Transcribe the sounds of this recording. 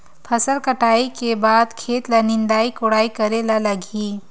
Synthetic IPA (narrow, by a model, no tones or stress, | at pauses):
pʰɐsəlkəʈaːikebaːd̪kʰeːt̪lanɪ̃nd̪aːikoɽaːikɐɾelalɐɡiː